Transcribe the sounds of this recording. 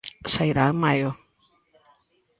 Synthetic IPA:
sajɾamajo

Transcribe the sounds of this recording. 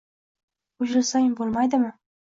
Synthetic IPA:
ʊʃɪlsajɪmbolˠmajd̪ɪmɪ

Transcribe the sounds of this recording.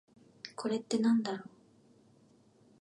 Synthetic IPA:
kʰo̞ɾe̞t̪ːe̞nãnd̪aɾoː

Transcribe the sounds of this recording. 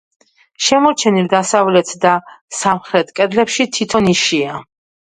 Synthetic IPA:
ʃɛmɔɾt͡ʃʰɛnild̪asavlɛt̪ʰd̪asamχɾɛt̪ʰkʼɛd̪lɛpʃit̪ʰit̪ʰɔniʃia

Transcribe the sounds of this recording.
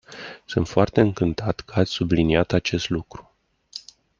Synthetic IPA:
sɨnt̪foart̪e̞ɨŋkɨnt̪at̪kəat̪sʲsubliniat̪at͡ʃe̞st̪lukɾu̥

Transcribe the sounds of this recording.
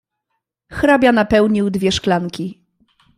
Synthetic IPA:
xɾabʲjanapɛwɲiwd̪vʲjɛʂklaŋkʲi

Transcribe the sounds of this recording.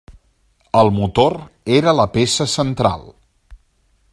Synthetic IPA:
əlˠmut̪or | eɾələpesəsənt̪ɾa̰lˠ

